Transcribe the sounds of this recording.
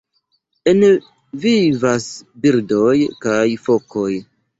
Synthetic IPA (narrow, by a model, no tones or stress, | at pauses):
e̞n | vivasbiɾdo̞jkajfo̞ko̞j